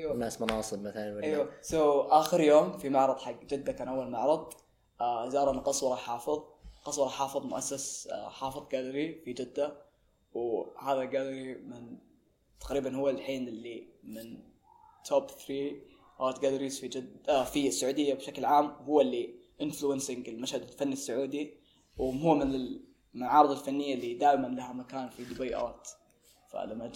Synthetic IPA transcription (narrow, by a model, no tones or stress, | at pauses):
ajwanaːsmʊnɑːsˤɨbmaθalanwɪajwasoʔaːxɪɾjoːmfimaʕɾˤɑd̪ˤħaɡːd͡ʒɪd̪ːakaːnʔawːalmaʕɾˤɑd̪ˤ | ʔzɑːɾˤɑnqɑsˤwɑɾˤɑħɑːfɨðˤqɑsˤwɑɾˤɑħɑːfɨðˤmʊʔasːasħɑːfɨðˤɡalɾifid͡ʒɪd̪ːa | whaːðaɡalɾimɪn | t̪aqɾiːbanhʊwːalħiːnɪlːimɪn | t̪ʰoːbθɾiː | ʔɑːɾt̪ɡalaɾiːzfid͡ʒɪd̪fisːʊʕuːd̪ɪjːabʃaklʕaːmwhʊwːalːi | ʔɪnfluɪnsɪŋɡɪlmaʃhad̪ɪlfanːisːʊʕuːd̪i | wɦʊːmɪnɪl | mɪʕɑːɾˤɨðˤɑlfanːɪjːalːid̪aːʔmanlahamakaːnfid̪ʊbajʔa̰ːt̪ | fa̰lamːa